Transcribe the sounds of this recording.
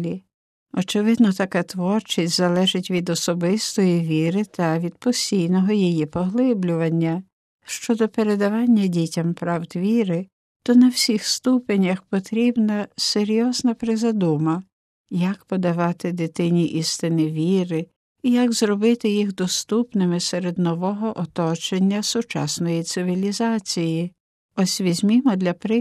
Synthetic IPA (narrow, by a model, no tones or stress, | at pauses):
lʲi | ɔt͡ʃɪʋɪd̪nɔt̪ɐkɑt̪ʋɔrt͡ʃɪsʲzɐlˠɛʒɪtʲʋʲid̪ɔsɔbɪst̪ɔjiʋʲiɾɪt̪ʰɐʋʲid̪pɔsʲtʲijnɔɦɔjijipɔɦlˠɪblʲʊʋɐnʲːɐ | ʃt͡ʃɔd̪ɔpeɾe̞d̪ɐʋɑnʲːɐdʲitʲɐmpɾɑwd̪ʋʲiɾɪ | t̪ɔnɐwsʲixst̪upenʲɐxpɔt̪ɾʲibnɐseɾʲjɔznɐpɾɪzɐd̪umɐ | jɐkpɔd̪ɐʋɑt̪ɪd̪ɪt̪ɪnʲiʔist̪ɪnɪʋʲiɾɪ | ijɐɡzɾɔbɪt̪ɪjixd̪ɔst̪upnɪmɪseɾed̪nɔʋɔɦɔʔɔt̪ɔt͡ʃenʲːɐsʊt͡ʃɑ̰snɔjit̪sɪʋʲilʲizɑt͡sʲiji | ɔsʲʋʲizʲmʲimɔd̪lʲɐpɾɪ